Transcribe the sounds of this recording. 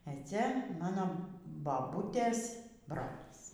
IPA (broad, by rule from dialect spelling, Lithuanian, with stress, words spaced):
eː ˈt͡sʲɛ ˈmɑːnoː bɐˈbuːtʲeːs ˈbroːlʲiːs